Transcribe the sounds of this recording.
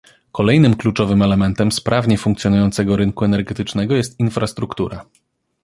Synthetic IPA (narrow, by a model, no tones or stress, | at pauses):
kɔlɛjnɘmklut͡ʂɔvɘmɛlɛmɛnt̪ɛmspɾʔavɲɛfuŋkt̪sʲjɔnujɔnt̪sɛɡɔɾɘŋkuɛnɛɾɡɛt̪ɘt͡ʂnɛɡɔjɛst̪infɾast̪ɾukt̪uɾa